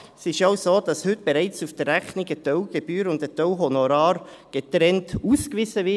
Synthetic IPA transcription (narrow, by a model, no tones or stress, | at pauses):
sɪʃaʊsoːd̥ɑshʏt̚b̥eɾaɪt͡sufd̥ərːæχniɡətœwɡ̥eb̥yːɾʊndətœwɦonoɾɑːɾ | ɡ̥etɾɛntuːskvɪzəvɪ